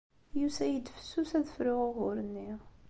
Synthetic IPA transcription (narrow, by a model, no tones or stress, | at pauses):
jusæjəd̪fə̥sːusæðəfɾʊʁoʁʊɾənːiʁ